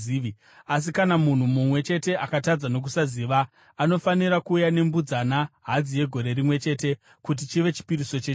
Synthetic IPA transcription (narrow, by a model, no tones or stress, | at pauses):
i | as̬ikanamun̤umumwe̞t͡ʃe̞te̞ʔakatad͡zano̞k̬usaziːʋaː | no̞faniɾakuːjane̞mbud͡zanaɦad͡zije̞ɡʱo̞ɾe̞ɾimwe̞t͡ʃe̞ːte̞ | kut̬it͡ʃiʋe̞t͡ʃi̥piɾiso̞t͡ʃee